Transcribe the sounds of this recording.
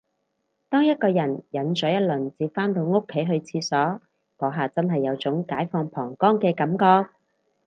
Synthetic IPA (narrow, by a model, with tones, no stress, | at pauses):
t̪ɔː˥ŋjɐ˥t̚kɔː˧jɐ˨˩njɐ˨˥nt͡ʃɔː˨˥jɐ˥t̚lɵ˨˩nt͡siː˧pfaː˥nt̪o˧wŋʊ˥kʰːe˨˥jɦɵ˧ɥt͡sʰiː˧sɔː˨˥ | kɔː˨˥ɦaː˨t͡sɐ˥nɦɐ˨jːɐ˨˧wt͡sʊ˨˥ŋkaː˨˥jfɔː˧ŋpʰɔː˨˩ŋkɔː˥ŋkɛː˧kɐ˨˥mkɔː˧k̚